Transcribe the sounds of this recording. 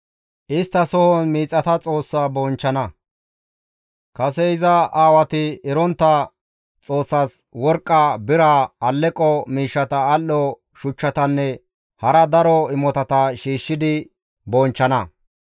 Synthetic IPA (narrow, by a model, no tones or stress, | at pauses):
ʔɪst̪ːɐsɔhɔnmiːt͡sʼːɐt̪ɐt͡sʼo̞ːsːaːbɔnt͡ʃːɐnɐ | kɐs̬ɛɪzɐaːwɐt̪ɪɛɾɔnt̪ːɐ | t͡sʼo̞ːsːaːs | wɔɾkʼːabɪɾaːɐlːɛkʼːɔmiːʃːɐt̪ɐːlːɔ | ʃʊt͡ʃːɐt̪ɐnːɛ | hɐɾɐd̪ɐɾɔɪmɔt̪ɐt̪ɐʃiːʃːɪd̪ɪ | bɔnt͡ʃːɐnɐ